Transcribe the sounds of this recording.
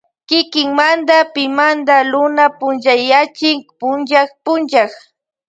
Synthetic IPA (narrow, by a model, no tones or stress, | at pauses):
kɪkɪŋmand̪apɪmand̪alʊnapʊnʒajat͡ʃɪŋpʊnʒakpʊnʒak